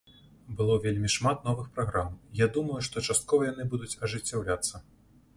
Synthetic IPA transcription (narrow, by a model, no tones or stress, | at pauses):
bɨlˠɔvʲelʲmʲiʂmat̪n̪ɔvɨxpɾaɣɾamjad̪umɐjuʂt̪ɔt͡ʂast̪̚kɔvɐjan̪ɨbud̪ut͡sʲɐʐɨt͡sʲːawlʲat̪sːɐ